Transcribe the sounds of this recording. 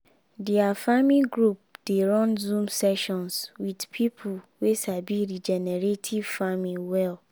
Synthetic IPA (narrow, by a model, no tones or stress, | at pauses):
diafamiɡɹup̚d̥eɹɔ̃nzũmsɛʃɔ̃nswidpʰipʰuwesabiɹid͡ʒɛnɛɹetʰiv̥famiwɛl